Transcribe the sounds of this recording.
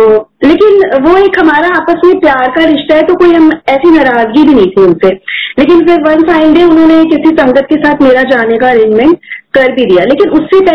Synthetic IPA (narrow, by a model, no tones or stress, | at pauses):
leːkɪnʋoeːkɦɐmaːɾaaːpəsmẽpjaːɾkaɾɪʃt̪aɦɛt̪okoːiɦɐmɛːsinɐɾaːzɡibʱinɐɦĩt̪ʰiʊnseleːkɪnfɪɾʋɐ̃nfaːɪ̃lɖeːʊnɦõnekɪsisɐ̃ŋɡət̪̚kesaːt̪ʰmeːɾad͡ʒaːnekaɾɪ̃nmɛ̃ɳʈkɐɾbʱid̪ijaleːkɪnʊsːepɛ